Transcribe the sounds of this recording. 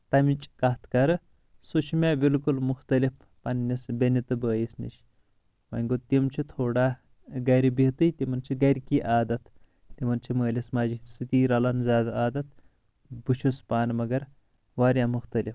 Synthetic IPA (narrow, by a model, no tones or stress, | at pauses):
t̪ɐmit͡ʃʼkɐt̪ʰkɐɾɨ | sut͡ʃʰmʲeːbilkulmuxt̪ɐlif | pɐnːisbʲenit̪ɨbəːjisnḭʃ | wɐ̰nʲɡot̪imt͡ʃʰit̪ʰoːɽaː | ɡɐɾibit̪ɨt̪imɐnt͡ʃʰiɡɐɾʲkiːʔaːd̪ɐt̪ | t̪imɐnt͡ʃʰiməːlʲismaːd͡ʒisɨt̪iːɾɐlɐnzʲaːd̪aaːd̪ɐt̪̚ | but͡ʃʰuspaːnmɐɡɐɾ | ʋaːɾjamuxt̪ɐlif